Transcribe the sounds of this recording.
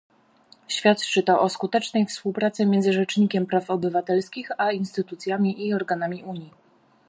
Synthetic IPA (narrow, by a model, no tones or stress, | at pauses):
ɕfʲjat̪t͡ʂɘt̪ɔʔɔskut̪ɛt͡ʂnɛjfspuwpɾat̪sɘmʲjɛnd̪zɘʐɛt͡ʂɲikʲɛmpɾafɔbɘvat̪ɛlskʲixainst̪ɘt̪ut̪sʲjamʲiʔiɔɾɡanamʲiʔuɲji